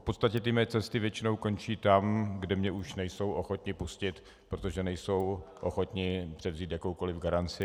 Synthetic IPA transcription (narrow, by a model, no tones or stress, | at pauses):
fpo̞t̪st̪acɛt̪ɪmɛɛt͡sɛst̪ɪvjɛt͡ʃɪno̞wko̞nt͡ʃiːt̪amɡdɛmɲɛuʃnɛjso̞wʔo̞xo̞t̪ɲɪpuscɪt̪ | pɾo̞t̪o̞ʒɛnɛjso̞wʔoxo̞t̪ɲɪpr̥ɛvziːt̪jakowko̞lɪvɡaɾant͡sɪ